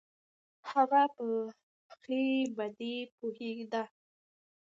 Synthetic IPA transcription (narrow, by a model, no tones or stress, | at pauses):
haɣapə | xlebad̪epoheɡd̪a